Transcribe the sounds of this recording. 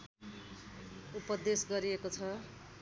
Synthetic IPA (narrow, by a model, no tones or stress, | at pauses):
upʌd̪esɡʌɾiekot͡sʰʌ